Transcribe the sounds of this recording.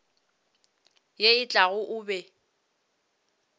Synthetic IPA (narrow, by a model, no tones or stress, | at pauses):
jeɪt͡ɬʼaɣʊʔʊːbɛ